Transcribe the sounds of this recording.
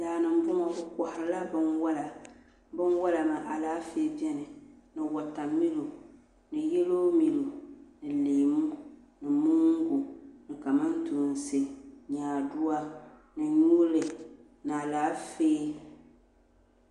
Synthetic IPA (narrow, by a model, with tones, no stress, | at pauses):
daː˨nɨ˨m˦bʊ˦mɔ˦bʊ˦kɔ˨hɾla˦bɨ˦nwa˦la˨ | bɨ˦nwa˦la˨ma˨ʔa˨laː˦fe˦bi˦ɛ˦nɨ˨nɨ˨wa˨ta˨mːi˦lu˨ | nɨ˨jɛ˦loː˦mi˨lu˨nɨ˨liː˨mu˦ | nɨ˨mu˦ŋ˦ɡu˨nɨ˨ka˨mɨ˦n˦tu˨n˨se˨ɲaː˨dʊ˦a˦ | nɨ˨ɲuː˦lɨ˨ | n˨a˨laː˨˦feː˦